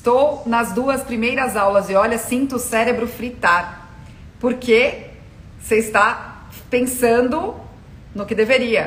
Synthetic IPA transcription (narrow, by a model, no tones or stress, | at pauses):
st̪ownɐzd̪uɐspɾimejɾɐzawlɐzɪɔʎɐsĩnt̪ʊsɛɾebɾʊfɾit̪aɾ | poɾke | seɪst̪a | pẽsɐ̃nd̪ʊ | nʊkɪd̪eveɾiɐ̰